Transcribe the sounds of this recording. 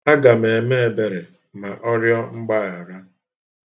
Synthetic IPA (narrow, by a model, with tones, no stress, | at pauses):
a˦ɡa˨me˨e˨me˦e˨be˨ɾe˨ | ma˨ʔɔ˦ɾjɔ˦ŋ͡m̩˦ɡ͡ba˦˨a˨ɾa˦